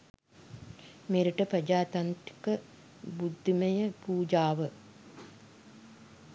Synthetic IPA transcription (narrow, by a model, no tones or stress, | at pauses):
meːɾɐʈːɐprɐd͡ʒaːt̪ɐnt̪ɾikɐ | bud̪ʱːimɐjɐpuːd͡ʒaːʋɐ